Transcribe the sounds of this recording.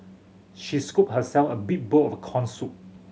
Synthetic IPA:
ʃiskup̚həsɛlfəbik̚bolɔfəkʰɔ̃nsut̚

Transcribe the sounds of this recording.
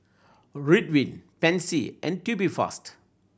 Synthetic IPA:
ɹit̚wĩnpɛ̃nsiʔɛ̰̃ntjubifɔ̰st

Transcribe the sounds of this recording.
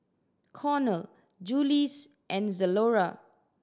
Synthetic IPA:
kʰɔnəl | d͡ʒulis | ʔɛ̃nzəloɹa

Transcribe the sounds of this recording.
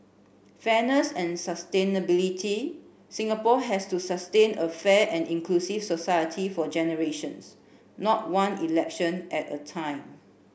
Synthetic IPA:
fɛnəsɛ̃nsəstẽnəbilitʰi | sĩŋapɔɦɛstusastẽnəfɛʔɛ̃nĩŋkʰlusifsosajətʰifɔd͡ʒɛnəɹeʃə̃ns | nɔt̚wãnilɛkʃə̃nʔɛtə̰tʰãɪ̃m

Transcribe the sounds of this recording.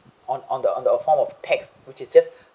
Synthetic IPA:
ɔ̃nɔ̃ndə̃nd̪əfɔmɔftʰɛks | wɪt͡ʃɪsd͡ʒas

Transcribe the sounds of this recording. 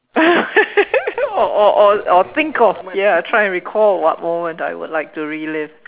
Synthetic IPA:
ɔʔɔʔɔɔθɪ̃ŋkɔfjɛatʰɹ̥aɪɛ̃nɹikʰɔlwɔ̰t̚mõmə̃nta̰ɪwʊ̰dlaɪk̚tuɹilɪv

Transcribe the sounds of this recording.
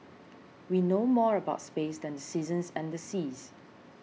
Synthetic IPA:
winomɔɹəbaʊtspesdɛ̃ndəsizə̃nsɛ̃ndəsiz

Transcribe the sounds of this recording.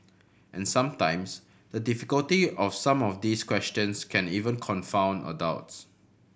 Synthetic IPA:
ʔɛ̃nsãmtãɪ̃ms | dədifikəltiɔfsãmɔfdiːskʰwɛstə̃nskʰɛ̃nivə̃nkʰɔ̃nfãʊ̃nə̰daʊts

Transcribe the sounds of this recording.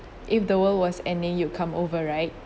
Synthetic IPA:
ʔɪfdəwəlwɔsɛ̃ndɪ̃ŋjukʰãmovəɹaɪt̚

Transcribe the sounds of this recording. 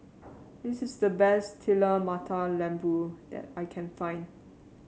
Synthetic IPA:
disɪsdəbɛstʰiləmatʰalɛ̃mbudɛ̰tajkʰɛ̃nfãɪ̃n

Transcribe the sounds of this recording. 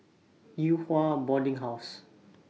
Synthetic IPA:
juhwabɔdĩŋɦaʊs

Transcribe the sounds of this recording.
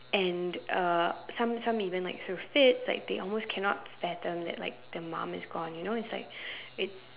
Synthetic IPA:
ʔɛ̃nʔʌsʌ̃msãmivə̃nlaɪk̚θɹufɪtsla̰ɪk̚ðḛɪɔlˠmoskʰɛnɔ̰t̚fɛt̪̚ðə̃mðɛ̰ʔ̚la̰ɪk̚ðəmã̰mɪ̰zɡɔ̃njunoʊɪtslaɪk̚ɪts

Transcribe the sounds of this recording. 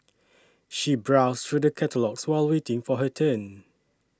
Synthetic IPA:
ʃibɹaʊstɹuːdəkʰɛtəlɔkswɛɪlwetɪ̃ŋfɔɦətʰə̃n

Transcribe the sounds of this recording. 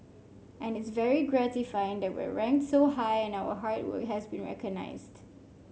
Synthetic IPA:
ʔɛ̃nɪtsvɛɹiɡɹætɪfaɪɪ̃ŋdæt̚wḭɹɛ̃ŋk̚tsoʊɦajɛ̃naʊə̰ɦaɹtwə̰kɦæzbĩnɹɛ̰kɔɡ̚na̰ɪzd̥

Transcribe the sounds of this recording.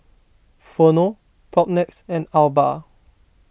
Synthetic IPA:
fono | pʰɔp̚nɛksɛ̃nalba

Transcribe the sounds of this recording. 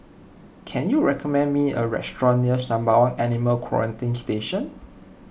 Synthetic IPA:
kʰɛ̃njuɹɛkʰɔmɛ̃nmiə̰ɹɛ̰stɹɔ̃niəsãmbawɔ̃nɛniməlkʰwɔ̰ɹə̃ntĩnsteʃə̃n

